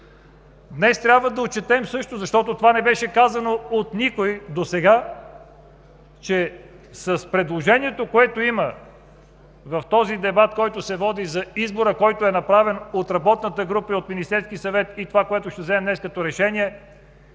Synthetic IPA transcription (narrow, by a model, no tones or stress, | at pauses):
d̪nɛst̪ɾʲabvəd̪ɐott͡ʃɛt̪ɛmsɤʃt̪ozɐʃt̪ɔt̪ot̪ovanɛbɛʃɛkazɐnoot̪nikojd̪osɛɡa | t͡ʃɛ | sɐspɾɛd̪lˠoʒɛniɛt̪okoɛt̪oimə | vɐft̪ɔzid̪ɛbat̪kɔjt̪osɛvɔd̪izɐizboɾəkɔjt̪oɛnɐpɾavɛnot̪ɾɐbɔt̪nət̪əɡɾupəiot̪minist̪ɛɾskisɐvɛt̪it̪ovakoɛt̪ʊʃt̪ɛvzɛɛmnɛskɐt̪ɔɾɛʃɛniɛ